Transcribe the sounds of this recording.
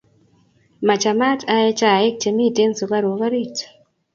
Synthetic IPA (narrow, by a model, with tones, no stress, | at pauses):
ma˨t͡ʃa˨ma˦tʰa˦e˦t͡ʃa˦˨e˦k̚t͡ʃe˨mi˦˨te˦nso˨ka˦ɾo˨ka˦ɾi˦t